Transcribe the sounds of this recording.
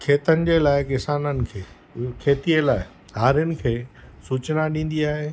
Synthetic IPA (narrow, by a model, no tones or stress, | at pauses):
kʰeːt̪ənɪ̆d͡ʑeːlaːɪkɪsaːnənɪ̆kʰeː | kʰeːt̪iəlaːɪ | haːɾɪənɪ̆kʰeːsuːt͡ɕnaɗĩːn̆d̪iaːɦeː